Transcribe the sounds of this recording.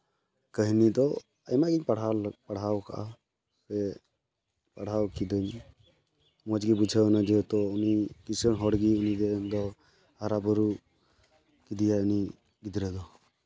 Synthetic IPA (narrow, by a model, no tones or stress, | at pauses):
kəɦnid̪ɔ | ə̰jmaɡiɲpaɽ̤alpaɽ̤awka̰ʔa̰ | sɛ | paɽ̤awkid̪ɔɲ | mɔd͡ʒɡibud͡ʒʰʱəwnad͡ʒət̪ɔunikisənɦɔɽɡiunid̪ɛnd̪ɔ | haɾabɔɾu | kid̪ijauni | ɡid̪ɾɛd̪ɔ